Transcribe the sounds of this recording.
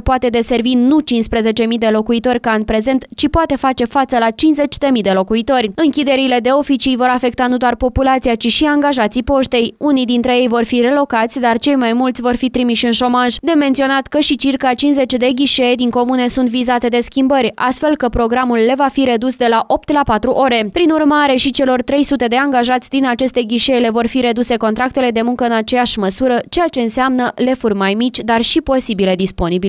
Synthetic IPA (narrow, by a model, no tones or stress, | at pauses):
poat̪e̞d̪e̞se̞rvinut͡ʃinspɾe̞ze̞t͡ʃe̞mid̪e̞lo̞kuit̪o̞rʲkaanʲpɾe̞ze̞nt̪t͡ʃipoat̪e̞fat͡ʃe̞fat̪səlat͡ʃinze̞t͡ʃʲd̪e̞mid̪e̞lo̞kuit̪o̞rʲɨŋkʲid̪e̞ɾile̞d̪e̞o̞fit͡ʃijvo̞ɾafe̞kt̪anud̪oarpo̞pulat̪sijat͡ʃiʃiaŋɡaʒat̪sipo̞ʃt̪e̞junijd̪int̪ɾe̞je̞jvo̞rfire̞lo̞kat̪sʲd̪art͡ʃe̞jmajmult̪sʲvo̞rfit̪ɾimiʃɨnʃo̞maʒd̪ement̪sio̞nat̪kəʃit͡ʃirkat͡ʃinze̞t͡ʃd̪e̞ɡʲiʃejd̪iŋko̞mune̞sunt̪vizat̪e̞d̪e̞skʲimbəɾʲa̰st̪fe̞lkəpɾo̞ɡɾamulːe̞vafiɾe̞d̪usd̪e̞laʔo̞p̚t̪lapat̪ɾuʔo̞ɾe̞pɾinurmaɾe̞ʃit͡ʃe̞lo̞rt̪ɾe̞jsut̪e̞d̪e̞aŋɡaʒat̪sʲd̪inat͡ʃe̞st̪e̞ɡʲiʃejle̞vo̞rfiɾe̞d̪use̞kont̪ɾak̚t̪e̞le̞d̪e̞muŋkəɨnat͡ʃe̞jaʃməsuɾət͡ʃe̞jat͡ʃe̞ɨnseamnəle̞furʲmajmit͡ʃʲd̪arʃipo̞sibile̞d̪ispo̞nibil